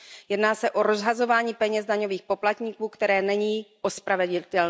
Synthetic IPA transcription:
jɛdnaːsɛʔo̞ɾo̞zɦazo̞vaːɲiːpɛɲɛzdaɲo̞viːxpo̞plat̪ɲiːkuːkt̪ɛɾɛːnɛɲiːʔospɾavɛɟɪt̪ɛln

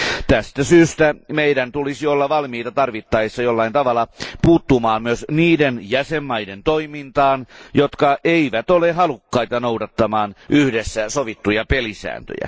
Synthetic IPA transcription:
t̪æst̪æsyːst̪æmeidænt̪ulisiolːɑʋɑlmiːt̪ɑt̪ɑrʋit̪ːɑesːɑjolːɑint̪ɑʋɑlɑpuːt̪ːumɑːmmyøsniːdenjæsemːɑident̪oimint̪ɑːnjot̪kɑʔeiʋæt̪oleɦɑlukːɑit̪ɑnowdɑt̪ːɑmɑːnʔyhdesːæsoʋit̪ːujɑpelisæ̰ːnt̪ø̰jæ̰

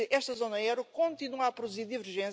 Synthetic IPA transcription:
ɨʔɛʃt̪ɐzonɐɛɾukõnt̪inuapɾud̪uziɾd̪ivɨɾʒẽ

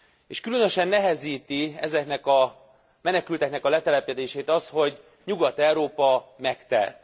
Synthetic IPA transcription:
eːʃkylø̞nøʃɛnːɛɦɛziːt̪iɛzɛknɛkɒ | mɛnɛkylt̪ɛknɛkɒlɛt̪ɛlɛpɛd̪eːʃeːt̪ɒsho̞ɟ | ɲuɡɒt̪ɛwɾoːpɒmɛkt̪ɛ̰lt̪

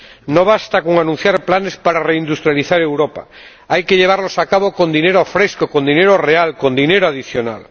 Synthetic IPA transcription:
noβast̪akoŋanũn̟θjaɾplanespaɾareind̪ust̪ɾjaliθaɾewɾopa̰ | ajkeʎeβ̞aɾlosakaβokond̪ineɾofɾeskokond̪ineɾorealkond̪ineɾoaðiθjona̰l

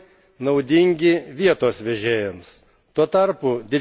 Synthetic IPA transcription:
nɐʊd̪ʲɪŋʲɡʲɪʋʲiɛt̪oːsʋʲɛʒʲeːjɛms | t̪uɔt̪ɐɾpʊd̪ʲɪ

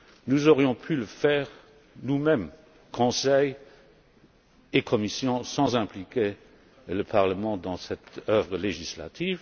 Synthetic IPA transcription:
nuzɔʁjɔ̃pʰyləfɛːʁ | numɛm | kʰɔ̃sɛj | ekʰɔmisjɔ̃sɑ̃zɛ̃plikʰe | ləpʰaʁləmɑ̃d̪ɑ̃sɛt̪œvʁəleʒisla̰t̪ʰiːv

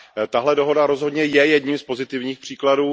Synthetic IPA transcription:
t̪aɦlɛdo̞ɦo̞daɾo̞zɦo̞dɲɛjɛjɛdɲimspo̞zɪt̪ɪvɲiːxpr̝̥iːkladuː

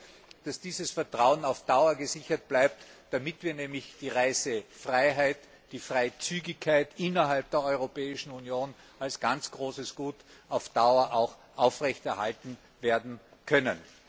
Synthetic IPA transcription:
d̥asd̥iːzəsfɛɐtʁ̥aʊənaʊfd̥aʊɐɡəzɪçɐt̚b̥laɪp̚td̥amɪtv̥iːɐnɛːmlɪçd̥iːʁaɪsəfʁaɪɦaɪt | d̥iːfʁaɪt͡syːɡɪçkʰːaɪtʔɪnɐɦalp̚d̥eːɐɔʏʁopɛːɪʃn̩unjoːn | alsɡ̥ant͡sɡ̥ʁoːsəsɡ̥uːtʔaʊfd̥aʊɐʔaʊxʔaʊfʁɛçtɛɐhaltn̩ | veːɐdn̩kʰœnə̰n

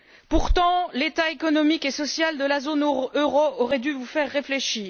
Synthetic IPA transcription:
puʁt̪ɑ̃let̪aekɔnɔmikesɔsjald̪əlazonøʁoɔʁɛd̪yvufɛʁːefleʃiːʁ

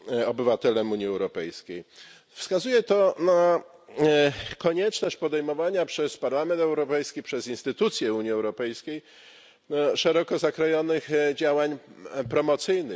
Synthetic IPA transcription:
ɔbɘvat̪ɛlɛmuɲiɛwɾɔpɛjskʲej | fskazujɛt̪ɔna | kɔɲɛt͡ʂnɔɕt͡ɕpɔd̪ɛjmɔvaɲapʂɛspaɾlamɛnt̪ɛwɾɔpɛjskʲipʂɛzinst̪ɘt̪ut̪sʲjɛuɲiɛwɾɔpɛjskʲej | ʂɛɾɔkɔzakɾɔjɔnɘxd͡ʑawaɲpɾɔmɔt̪sɘjnɘx

